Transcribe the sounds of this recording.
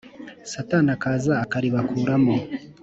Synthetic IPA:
satanakaːzaːkaɾiβakuːɾamo

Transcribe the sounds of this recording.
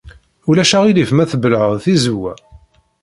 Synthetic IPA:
ulæʃæʁilifmæθəbəlʕəðθizuwæ

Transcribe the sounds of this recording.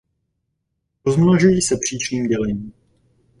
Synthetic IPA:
ɾozmnaʒujiːsɛpr̝̥iːt͡ʃniːmɟɛlɛɲiːm

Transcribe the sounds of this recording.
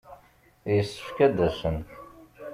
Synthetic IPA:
jəsːə̥fkæd̪æsənt

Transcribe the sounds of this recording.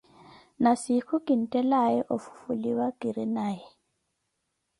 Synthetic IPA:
nasikʰʊkʼin̩tʼɛlajɛʔofu̥fuliwakʼiɾinaːjɛ

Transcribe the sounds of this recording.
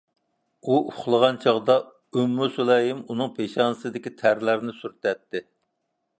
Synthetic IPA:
uʔʊχlˠəʁɑnt͡ʃʰɑʁd̪ɑ | ømːusulɛjimunɨŋpʰeʃɑnɨsɨd̪ɪkʲit̪ʰæɾlæɾnɪsyɾt̪ɛt̪ːɪ

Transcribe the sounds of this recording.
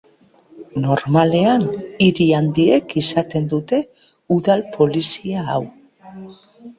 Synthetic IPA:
no̞ɾmale̞aniɾiand̪iekisat̪e̞nd̪ut̪e̞ | uðalpʰo̞lisiaːw

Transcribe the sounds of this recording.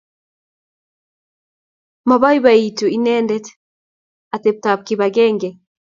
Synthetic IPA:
maβaiβaituinɛːndɛt | atɛp̚tap̚kiβaɡɛːŋɡɛ

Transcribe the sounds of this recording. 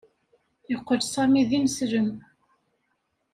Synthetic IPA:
jəqːəɾsɑmiðimsɾəm

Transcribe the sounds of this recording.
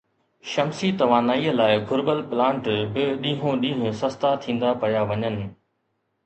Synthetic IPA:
ʃɐmsit̪ɐʋaːnaːiːəlaːɪɡʱʊɾbəlplãːɳʈbɪɗĩːɦõɗĩːɦʊ̃sɐst̪at̪ʰĩːn̆d̪apɐjaʋɐɲənɪ̆

